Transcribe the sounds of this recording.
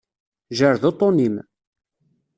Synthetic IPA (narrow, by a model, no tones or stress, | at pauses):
ʒəɾðot̪ˤːonim